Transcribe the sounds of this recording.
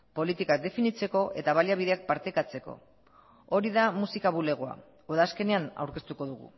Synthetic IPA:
po̞lit̪ikak̚d̪e̞finit͡se̞ko̞ʔe̞̰t̪aβaljaβ̞iðe̞ak̚paɾt̪e̞kat͡se̞ko̞̰ | o̞ɾiðamusikaβule̞ɣ̞oa̰ | oðaːske̞ne̞ana̰wɾke̞st̪uko̞ðuɣ̞ṵ

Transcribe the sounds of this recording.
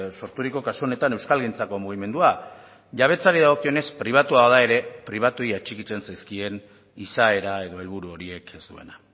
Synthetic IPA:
so̞ɾt̪uɾiko̞kasuo̞ne̞t̪ane̞wskalɣint͡sako̞muɣ̞ime̞nd̪ua | ʝaβ̞e̞t͡saɾiðaɣ̞o̞kio̞ne̞spɾiβ̞at̪uaoðae̞ɾe̞pɾiβ̞at̪ujat͡ʃikit͡se̞nsajskie̞n | isae̞ɾae̞ðo̞elβ̞uɾuo̞ɾie̞ke̞sd̪uena

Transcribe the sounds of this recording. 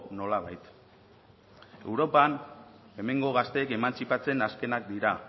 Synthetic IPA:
no̞laβ̞ajt̪ | e̞̰wɾo̞pan | e̞me̞ŋɡo̞ɣast̪e̞ːke̞mant͡sipat͡se̞naske̞nak̚d̪iɾa

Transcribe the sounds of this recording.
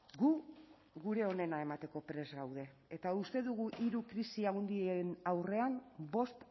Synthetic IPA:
ɡu | ɣuɾe̞o̞ne̞nae̞mat̪e̞ko̞pɾe̞zɣawð̞e̞ːt̪aust̪e̞ðuɣuʔiɾukɾisiawnd̪ienawre̞ambo̞st̪

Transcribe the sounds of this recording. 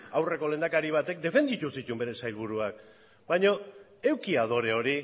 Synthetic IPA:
awre̞ko̞le̞nd̪akaɾiβ̞at̪e̞k̚d̪e̞fe̞nd̪it̪usit̪umbe̞ɾe̞sajlβuɾuak | bajɲo̞ | e̞wkiað̞o̞ɾe̞o̞ɾi

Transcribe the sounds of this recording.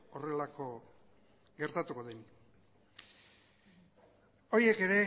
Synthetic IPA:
o̞re̞lako̞ | ɡe̞ɾt̪at̪uko̞ðen | o̞ie̞ke̞ɾe̞

